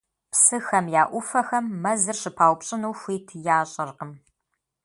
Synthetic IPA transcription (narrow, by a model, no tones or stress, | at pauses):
psɨxɐmjaːʔʷʊfɐxɐmːɐzɨrɕɪpʰaːwʷpɕʼɪnuːxʷiːtʰjaːɕʼɐrqəm